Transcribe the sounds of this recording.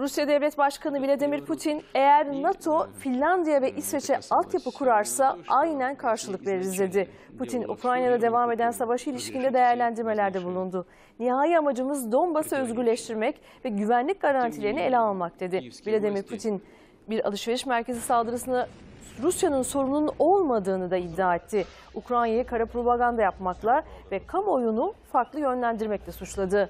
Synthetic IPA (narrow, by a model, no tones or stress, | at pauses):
ɾusjad̪ɛvlʲɛt̪baʃkʰanɯvilʲad̪imiɾpʰut̪ʰine̞jæɾnat̪ʰo̞finʲlʲːand̪ijavɛʔisɾet͡ʃʰɛalˠt̪japɯkʰuɾaɾsaʔajnænkʰaɾʃɯlˠɯkve̞ɾiɾizd̪e̞d̪ɪ | pʰut̪ʰinṵkɾajnjad̪ad̪e̞vame̞d̪ænsavaʃɯilʲiʃcind̪ɛd̪e̞jæɾlʲænd̪iɾme̞lʲæɾd̪ɛbulˠund̪ʊ | niɦaːjiamad͡ʒɯmɯzd̪o̞nbasɯø̞zɟyɾlʲɛʃt̪ʰiɾmɛc | vɛɟyvænlʲic̚ɡaɾant̪ʰilʲeɾinie̞lʲɛalˠmak̚d̪̥e̞d̪ɪbilʲɛd̪e̞miɾpʰut̪ʰin | biɾa̰lˠɯʃveɾiʃmæɾcʰezisalˠd̪ɯɾɯsɯnaɾusjanɯnso̞ɾununo̞lˠmad̪ɯːnɯd̪aid̪ːaːet̪ʰːɪ | ukɾajnjajakʰaɾapɾo̞baɡand̪ajapmaklˠavɛkʰamo̞junufaɾklˠɯjø̞nlʲænd̪iɾmɛclʲɛsut͡ʃlˠad̪ɯ